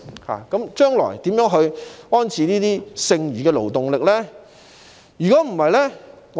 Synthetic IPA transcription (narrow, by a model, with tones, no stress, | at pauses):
ha̰ː˨˩kɐ˨˥mt͡ʃœː˥ŋlɔ̰ː˨˩jt̪iː˨˥mjœː˨˥ŋɦɵ˧ɥɔː˥nt͡sʰiː˨˧niː˥t̪iː˥sɪ˧ŋjyː˨˩kɛː˧lo̰˨˩wt̪ʊ˨ŋlɪ˨k̚lɛː˥ | jyː˨˩kɔː˨˥m̩˨˩hɐ˨jlɛ˥ | ŋ